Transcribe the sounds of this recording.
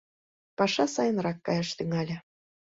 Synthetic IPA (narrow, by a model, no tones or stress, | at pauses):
pɑʃɑsɑjɤ̆nrɑkːɑjɑʃt̪yŋɑlʲɘ̆